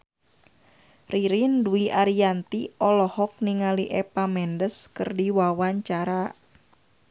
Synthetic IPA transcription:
riɾinduiʔaɾiant̪iɔlɔhɔk̚niŋaliʔɛpamɛndəskɨrdiwawaɲt͡ʃaɾa

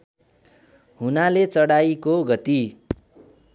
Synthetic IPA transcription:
ɦunalet͡sʌɽajkoɡʌt̪i

